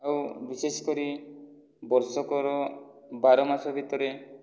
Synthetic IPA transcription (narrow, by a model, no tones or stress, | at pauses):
awbisesɔ̥kɔɾi | bɔɾsɔkɔɾɔbaɾɔmasɔbʱit̪ɔɾe